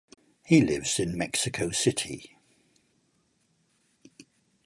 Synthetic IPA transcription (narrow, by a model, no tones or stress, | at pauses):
hilɪvz̥ɪ̃nmɛksɪkʰəʊsɪtʰḭ